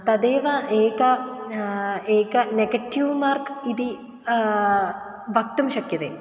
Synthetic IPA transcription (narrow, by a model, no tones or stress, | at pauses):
t̪ɐd̪eːʋɐʔeːkɐ | eːkɐneɡɐʈːiʋmaːrkid̪i | ʋɐk̚t̪umɕɐkjɐt̪ḛ